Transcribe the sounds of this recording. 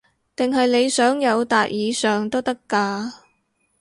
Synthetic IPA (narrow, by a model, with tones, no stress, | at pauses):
t̪ɪ˨ŋɦɐ˨jne˨˧jsœː˨˥ŋjɐ˨˧wt̪aː˨k̚jiː˨˧sœː˨ŋt̪o˥wt̪ɐ˥kːaː˧